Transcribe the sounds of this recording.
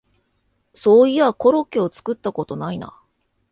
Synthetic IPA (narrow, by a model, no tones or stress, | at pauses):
so̞ːiako̞ɾo̞keo̞t͡sɨ̥kɯ̟t̪ːako̞t̪o̞naina̰